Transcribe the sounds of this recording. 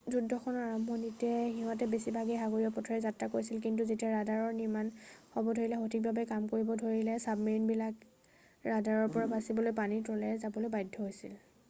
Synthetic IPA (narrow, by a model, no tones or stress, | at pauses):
zudʱːɔxʰɔnɔaɹambʱɔnitɛɦiɦɔ̃tɛbesibʱaɡɛɦaɡoɹiɔpɔtʰɔɹɛzatɹakoɹjsilk̬int̬uzetiaɹadaɹɔɹniɹmanhɔbɔdʱoɹilɛxotʰik̚babɛkamkoɹibɔdʱoɹilɛsabmiɹinbilak | ɹadaɹɔɹpɔɹabasibɔlojpanitɔlɛzabɔlojbajdʱːɔɦojsḭl